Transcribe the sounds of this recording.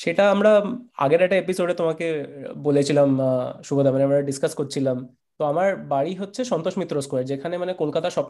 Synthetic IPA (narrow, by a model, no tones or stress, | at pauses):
ʃeʈaamɾaa̰ɡeɾɛk̚ʈaepisoɖet̪omakebolet͡ɕʰilamʃubod̪ʱamaneamɾaɖiskaskoɾt͡ɕʰilam | t̪oamaɾbaɽiɦotːɕʰeʃɔnt̪oʃmit̪ːɾoskoeɾd͡ʑekʰanemanekolkat̪aʃɔb